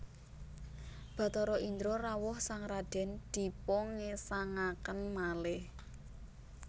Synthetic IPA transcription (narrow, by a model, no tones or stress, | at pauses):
b̥a̤t̪ɔɾɔʔind̪ɾorawʊhsaŋɾad̪̥ɛ̤nd̪̥i̤pɔŋesaŋakənmalɪh